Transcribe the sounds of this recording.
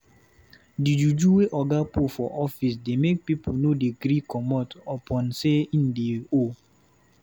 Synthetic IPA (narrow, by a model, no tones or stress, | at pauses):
did͡ʒud͡ʒuweʔɔɡapufɔ̰ʔɔfis̬demek̚pipunodeɡɾikɔmɔtɔpɔ̃nseĩndeo